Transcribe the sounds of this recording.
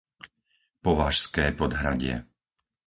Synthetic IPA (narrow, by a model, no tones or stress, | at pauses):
pɔʋaːʃskɛːpɔd̪ɦɾaɟɪɛ̰